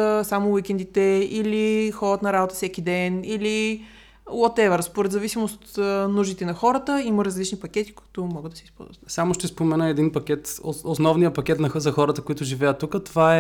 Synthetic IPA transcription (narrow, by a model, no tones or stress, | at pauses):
samʊwikʲɛnd̪it̪ɛilixɔɾət̪nɐɾabot̪ə̥fsɛk̟id̪ɛnili | wɔt̪ɛvɛɾspoɾɛd̪zɐvisimost̪ot̪nuʒit̪ɛnɐxɔɾət̪əiməɾɐzlit͡ʃnipɐk̟ʲɛt̪i̥kʊ̥i̥t̪ʊmɔɡəd̪ɐsispɔ̰lˠzvət̪t̪samoʃt̪ɛspomɛnəɛd̪inpɐkʲɛt̪oosnɔvnijəpɐkʲɛt̪nɐzɐxɔɾət̪əkoit̪ʊʒivɛjət̪ːukət̪ovaɛ